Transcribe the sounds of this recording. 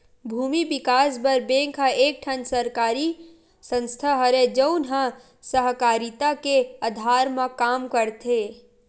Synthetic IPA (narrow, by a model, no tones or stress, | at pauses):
bʱuːmibɪkaːsbəɾbẽːŋkʰə̃eːk̚ʈʰənsəɾkaːɾi | sə̃nst̪ʰaɦəɾed͡ʒəʊnɦə̃ | səɦkaːɾit̪akead̪ʱaːɾmãkaːmkəɾt̪ʰe